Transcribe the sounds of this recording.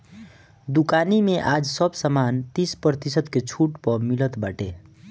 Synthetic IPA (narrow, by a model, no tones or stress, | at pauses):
d̪ukanimeʔad͡ʒsʌbsəmant̪ispɾət̪isət̪ket͡ʃʰuʈpʌmilət̪baʈḛ